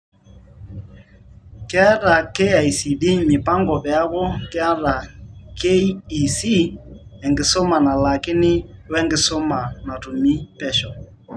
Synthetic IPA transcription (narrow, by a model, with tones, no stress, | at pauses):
kɪ˦a˦ɾa˨ke˦a˨i˨si˨di˦mɪ˨pa˦ŋɡɔ˨βja˦ɣɔ˦kɪ˦a˦ɾa˨ke˦i˨si˦ɛ˨ŋɡɪ˨sɔ˦ma˨na˨la˨kɪ˦nɪ˦wɛ˦ŋɡɪ˦sɔ˦ma˨na˨tu˨mi˦pɛ˦ʃɔ˨